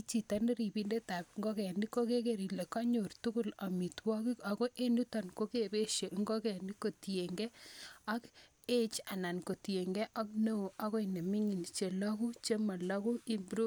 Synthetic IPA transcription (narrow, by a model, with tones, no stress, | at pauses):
it͡ʃi˨tane˦ɾi˨bi˦nde˦ta˨pŋɡo˦kɛ˨ni˦ko˦ke˦ke˨ɾi˨le˨ka˦ɲo˨rtu˦ku˦la˨mi˨twɔ˦ki˦ka˨ko˦ʔe˦nu˦ta˨nko˦ke˦be˦ʃe˨ŋɡo˦kɛ˨ni˦ko˨ti˨e˨ŋɡe˦a˦k | e˦t͡ʃa˨na˨nko˨te˨ŋɡɛ˦ʔa˦kno˦u˨a˦ko˦i˨ne˨mi˦ŋi˨nt͡ʃe˨la˦ku˦t͡ʃe˦ma˨lɔ˦ku˦i˦mbɾu˦